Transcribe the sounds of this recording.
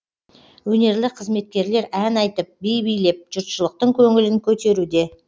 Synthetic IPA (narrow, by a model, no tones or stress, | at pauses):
wɵne̞ɾlɪqʰəzme̞t̪̚kʲe̞ɾle̞ɾænɑjt̪əp̚bejbijle̞p̚ʒ̥ʊɾt̪ʃəlˠəq̚t̪əɴkʲʰɵŋɪlɪŋkʲʰɵt̪e̞ɾud̪e̞